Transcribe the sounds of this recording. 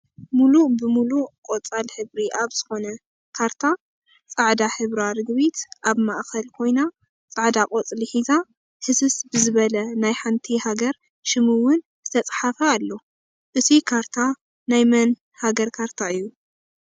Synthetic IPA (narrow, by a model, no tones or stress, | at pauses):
mulubɨmulukʼot͡sʼalħɨβɾiʔaβz̥ɨxo̞nɐ | kʰaɾt̪ʰa | t͡sʼaʕd̪aħɨβɾaɾɨɡbit̪ʔaβmaʔkɐlkʰo̞jna | t͡sʼaʕd̪akʼot͡sʼliħiza | hɨsɨsbɨzɨβɐlɐnajħant̪ʰihaɡɐɾ | ʃɨmɨwʊn | zɨt̪ʰɐt͡sʼħafɐːlːo̞ | ʔɨt̪ʰikʰaɾt̪ʰa | najmɐn | haɡɐɾkʰaɾt̪ʰaɨjːu